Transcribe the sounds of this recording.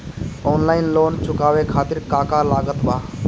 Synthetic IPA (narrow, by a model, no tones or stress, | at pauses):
ɔnlaːɪnloːnt͡ʃʰʊkabekʰaːt̪iɾkakalaɡət̪ba